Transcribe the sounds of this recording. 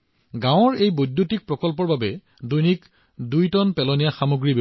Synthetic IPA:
ɡãʊ̃ɔɹejbodːutik̚pɹɔkɔlp̬ɔɹbabɛ | dujnik | dujtɔnpɛlɔnijaxamoɡɹib

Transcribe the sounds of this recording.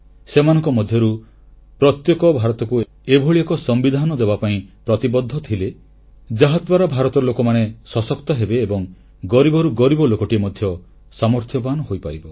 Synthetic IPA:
semanɔ̃ŋkɔmɔd̪ʱjɔɾu | pɾɔt̪jekɔbʱaɾɔt̪ɔku | ebʱoɭiɔkɔsɔmbid̪ʱanɔd̪ebapaĩpɾɔt̪ibɔd̪ʱːɔt̪ʰile | d͡ʒaɦad̪waɾabʱaɾɔt̪ɔlokɔmanesɔsɔkt̪ɔɦebeːbɔŋ | ɡɔɾibɔɾuɡɔɾibɔlokɔʈiemɔd̪ʱjɔ | samɔɾt̪ʰjɔpanɔɦojpaɾibɔ

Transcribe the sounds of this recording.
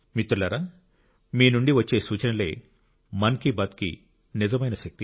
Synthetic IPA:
mit̪ːuɾlɐːɾaː | miːnuɳɖiʋɐt͡ʃːe̞ːsuːt͡ʃɐnɐlḛː | mɐnkibɐt̪kḭ | nizɐmɐjnɐʃɐk̚t̪i

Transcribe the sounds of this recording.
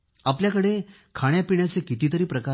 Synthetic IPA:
apljakəɽe | kʰaɽ̃japiɳjat͡sekit̪iːt̪əɾiːpɾəka

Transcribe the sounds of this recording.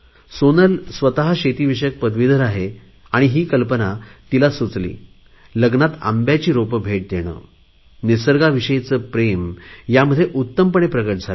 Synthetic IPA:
sonəlsʋət̪aɦaɕet̪iːʋiɕjək̚pəd̪ʱʋid̪ʱəɾaɦe | aɽ̃iɦiːkəlpənat̪ilasut͡slḭː | ləɡnat̪a̰mbjat͡ɕiːɾopbʱeʈ̚d̪eɽ̃ə̰ː | nisəɾɡaʋiɕəjt͡səpɾemjaməd̪ʱjeʔut̪ːəmpəɳ̃epɾəɡəʈ̚d͡zʱal

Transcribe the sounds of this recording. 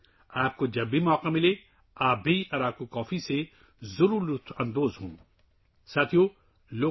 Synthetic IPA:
aːp̚kod͡ʒɐbʱːimɔːkamɪle | aːbʱiɔːɾaːp̚kokɔːfise | zʊɾuːut̪ʰɐ̃nd̪oːzɦũːn | saːt̪ʰijo | loː

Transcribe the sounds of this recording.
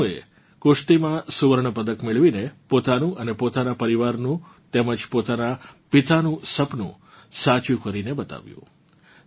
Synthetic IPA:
e | kʊʂʈ̪imãsuʋəɾɳəpəd̪əkmɪɭʋinepot̪anũʔənepot̪anapəɾiʋaɾnũ | t̪eməd͡ʒpot̪anapit̪anũsəpnṵ̃ | sat͡ʃukəɾinebət̪a̰ʋjṵ̃

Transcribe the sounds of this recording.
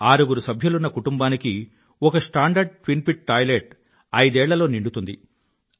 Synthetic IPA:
aːɾuɡuɾusɐbʱjulunːɐkuʈumbaːniki | ɔkɐsʈaːɳɖɐɾɖ̚ʈʋinpiʈ̚ʈaːjleʈ | ɐjd̪ɛːɭːɐlo̞ːniɳɖut̪und̪i

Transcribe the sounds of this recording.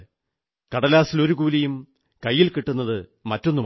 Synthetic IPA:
kɐɽɐlaːsilo̞ɾukuːlɐjum | kɐjːilkiʈːunːɐðɨmɐtːo̞nːum

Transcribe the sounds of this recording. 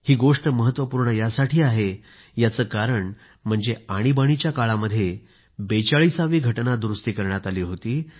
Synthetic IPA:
hiːɡoʂʈəməɦət̪ːʋəpuːɾɳəjasaʈʰiːaɦe | jat͡səːkaɾəɳ | m̤əɳd͡zeaɽ̃ibaɽ̃it͡ɕjakaɭaməd̪ʱːje | bet͡saɭisaʋiːɡʱəʈnad̪ɾust̪iːkəɾɳjat̪aliːɦot̪iː

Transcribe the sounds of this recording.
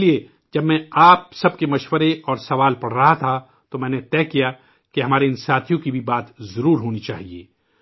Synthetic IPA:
lie | d͡ʒɐbmɛ̃aːp̚sɐb̚kemɐʃwəɾeɔːɾsɐʋaːlpɐɽ̤ɾɐɦat̪ʰa | t̪omɛ̃ːnet̪ɛːkija | keɦɐmaːɾeɪnsaːt̪ʰijõkibʱibaːt̪zɐɾuːɾɦoːnit͡ʃaːɦiḛː

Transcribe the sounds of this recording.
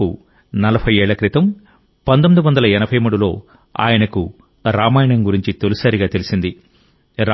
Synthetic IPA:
ṵ | nɐlɐbʰʱɐjeːɭːɐkɾit̪ɐm | pɐnt̪omid̪uʋɐnd̪ɐlɐɛnɐbʱɐjmuːɽulo̞ː | a̰ːjɐnɐku | ɾaːmaːjɐɳɐŋɡuɾiɲt͡ʃit̪olusaːɾiɡaːt̪e̞lisind̪i | ɾ

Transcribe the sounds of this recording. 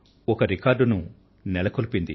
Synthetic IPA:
ɔkɐɾikaːɾɖunu | nɛlɐkolupind̪i

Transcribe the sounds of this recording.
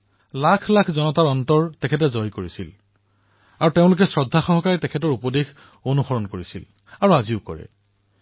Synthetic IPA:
lakʰlakʰzɔnɔtaɹɔntɔɹtɛkʰɛt̬ɛzɔjkoɹisḭl | aɹuteʊ̃lʊk̬ɛsɹɔdʱːaxɔɦɔkaɹitɛkʰɛtɔɹupɔdex | onuxɔɹɔnkoɹisḭl | aɹuaziʊkɔ̰ɹɛ̰

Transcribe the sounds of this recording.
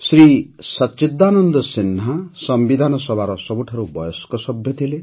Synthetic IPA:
sɾisɔt͡ʃid̪ːanɔnd̪ɔsinːasɔmbid̪ʱanɔsɔbʱaɾɔsɔbuʈʰɔɾubɔjɔskɔsɔbʱjɔt̪ʰile

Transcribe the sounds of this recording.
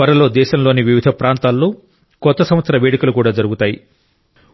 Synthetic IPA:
ɐɾɐlo̞ːd̪ɛːʃɐmlo̞ːniʋiʋid̪ʱɐpɾaːnt̪aːlːoː | kɔt̪ːɐsɐmʋɐt̪sɐɾɐʋeːɽikɐlukuːɽaːd͡ʒɐɾuɡut̪aːji

